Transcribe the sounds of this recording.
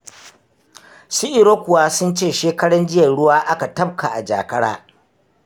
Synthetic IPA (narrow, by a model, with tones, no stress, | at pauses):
si˦ʔɪ˨ɾoː˦kʷʊ˨waː˦sʊ˦nt͡ʃeː˦˨ʃeː˦kɐ˦ɽɐ˦nd͡ʒɪ˦jɐ˨ɽʊ˦waː˦ʔa˦ka˨tɐ˦p̚kʰa˨ʔa˨d͡ʒa̰ː˨kɐ˦ɽa̰ː˦